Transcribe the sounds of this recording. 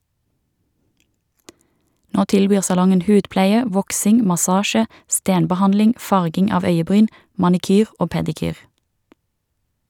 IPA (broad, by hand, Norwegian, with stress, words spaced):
ˈnoː ˈtɪlˌbyːʁ sɑˈlɔŋən ˈhʉːdˌplæɪə ˈʋɔksɪŋ mɑˈsɑːʃə ˈsteːnbəˌhɑnlɪŋ ˈfɑʁɡɪŋ ˈɑːʋ ˈœʏəˌbʁyːn mɑnɪˈkyːʁ ˈoː pɛdɪˈkyːʁ